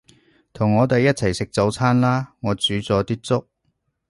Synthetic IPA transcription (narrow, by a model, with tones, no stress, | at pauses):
t̪ʰʊ˨˩ŋːɔː˨˧t̪e˨jːɐ˥t̚t͡sʰɐ˨˩jsɪ˨k̚t͡so˨˧wt͡sʰaː˥nlaː˥ŋɔː˨˧t͡syː˨˥t͡sɔː˨˧t̪iː˥t͡sʊ˥k̚